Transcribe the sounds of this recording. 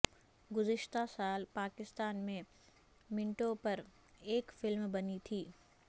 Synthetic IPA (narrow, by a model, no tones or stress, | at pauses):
ɡʊzɪʃt̪asaːlpaːkɪst̪aːnmẽ | mɪ̃ɳʈopɐɾ | eːkfɪlmbɐnit̪ʰiː